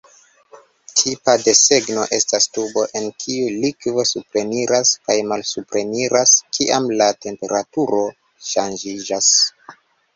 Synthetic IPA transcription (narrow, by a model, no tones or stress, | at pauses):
tʰipade̞se̞ɡno̞ʔe̞stastubo̞ʔe̞nkʰiulikvo̞supɾe̞niɾaskajmalsupɾe̞niɾaskiʔamlate̞mpe̞ɾatuɾo̞ | ʃand͡ʒid͡ʒas